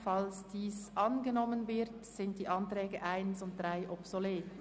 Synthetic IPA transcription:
falsd̥iːsʔɑnɡənɔmənvɪʁtsɪnt̚d̥iːʔɑntʁ̥ɛːɡəʔaɪnsʊnt̚d̥ʁaɪʔɔpsoleːt

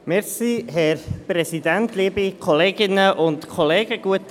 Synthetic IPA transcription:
mɛɾsiːɦɛɾpɾɛsidɛntʰliːbikʰɔleːɡɪnəʔʊntkʰɔleːɡəɡ̥uət

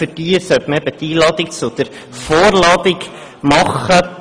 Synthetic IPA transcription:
fərdiːəsœtməɛbət̪iːlɑːd̪ɪkt͡sʊd̪̥əɾ | foːɾlɑːd̪ɪk | mɑχə

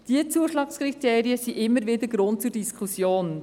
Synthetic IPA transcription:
d̥iət͡suəʃlɑːkskrit̪eːɾiəsiʔɪmːəɾvɪd̪əɾɡɾʊntt͡sʊɾdiskʰusjoːn

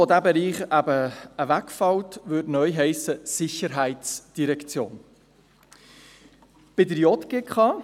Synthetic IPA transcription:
ɔd̪æbɛɾiːχæbəəvækfɑwtʋʉdnœʏɦɛɪsəsɪçəɾɦæɪtt͡sd̥iɾɛkt͡sjo̰ːn | b̥ɪdəɾjɔt̪ɡ̥ekχɑː

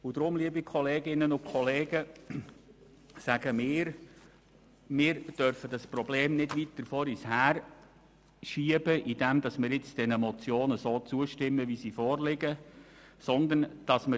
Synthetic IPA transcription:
ʊd̪ɾʊmliəbikʰχɔleːɡɪnənʊkʰχɔleːɡə | sæɡ̥əmɪːɾ | mɪːɾd̥œɾfədɑspɾɔbleːmnɪdʋit̚dəfɔɾishæːɾ | ʃiəbəʔid̥ɛmd̪ɑsmɪːɾɪt͡sd̥ɛnəmɔt͡sjoːnəsoːt͡suəʃtɪmːəʋisifɔːɾlɪɡə | sɔnd̪ənd̥ɑsmə

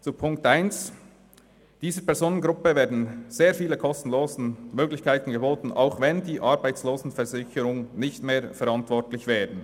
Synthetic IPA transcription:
t͡supʰʊŋk̚tʔaɪns | d̥iːzəpɛɾzoːnənɡɾʊpəvɛːɐdn̩z̥eːɾfiːləkʰɔstn̩loːzn̩møːɡlɪçkʰaɪtn̩ɡəboːtn̩ʔa̰ʊxvɛndiːʔɑɾbaɪt͡sloːzn̩fɛɾzɪçəɾʊŋnɪçtmeːɾfɛɾɑntvɔɹtlɪçvɛːdən̩

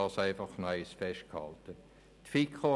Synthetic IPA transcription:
ɑːsæɪfɑχnœɪsfɛʃt̚khɑ̰ltə | t̪fikχo

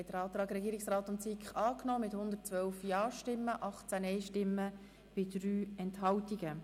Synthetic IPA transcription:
ɛtd̥əɾɑːt̪ɾɑːɡɾɛɡiːɾɪksrɑːtʊnt͡sikχɑːknɔːmɪthʊnd̪ətt͡sʋœwfjɑːʃtɪmːəʔɑχt͡sænɛɪʃtɪmːə | b̥ɪd̥ɾyːɛnthɑwtiɡə

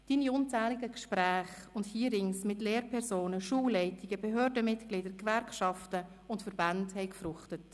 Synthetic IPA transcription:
d̥iːniʊnt͡sæːlɪɡəkʃpɾæːχʊnthiːəɾɪŋsmɪtleːɾpʰɛɾzoːnəʃuːlɛɪtɪɡəbɛɦøːɾdəmɪtklɪdəɾkvɛɾkʃɑftə | ʊntfəɾbanthɛɪkfrʊχtət

